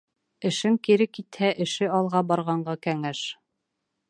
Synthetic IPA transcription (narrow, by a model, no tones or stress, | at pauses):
ɘ̆ʃɘŋkiɾɘkit̪hæʔɘ̆ʃɘɑlˠʁɑbɑɾʁɑɴɢɑkæŋæʃ